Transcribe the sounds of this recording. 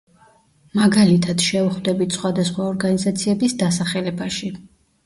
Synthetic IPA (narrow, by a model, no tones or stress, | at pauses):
maɡalit̪ʰad̪̥ʃɛuχvd̪ɛbit̪sʰχwad̪asχwaɔɾɡanizat̪sʰiɛbisd̪asaχɛlɛbaʃi